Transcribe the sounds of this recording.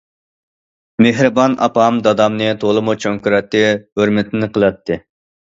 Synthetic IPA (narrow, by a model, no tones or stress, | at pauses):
meɦɾɨbɑnɑ̰pɑmd̪ɑd̪ɑmnɨt̪ʰolˠɨmut͡ʃʰoŋkuɾɛt̪ːɨɦøɾmɪt̪ʰɪnɪqʰəlˠɑt̪ʰːɨ